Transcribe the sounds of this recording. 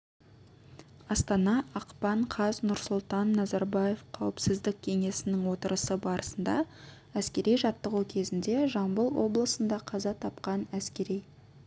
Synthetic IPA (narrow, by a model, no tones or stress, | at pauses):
ɑst̪ɑnɑɑqpɑɴqʰɑznʊɾsʊlˠt̪ɑnːɑzɑɾbɑje̞fqʰɑwəpsɪzd̪ɪk̚ʲkʲʰe̞ŋe̞sɪnɪŋwo̞t̪əɾəsəbɑɾəsənd̪ɑ̰ | æskʲe̞ɾijʒɑt̪ːəʁuwkʲʰe̞zɪnd̪e̞ʒɑɴbəlˠwo̞̰blˠəsənd̪ɑqʰɑzɑt̪ʰɑpqɑnæskʲe̞ɾij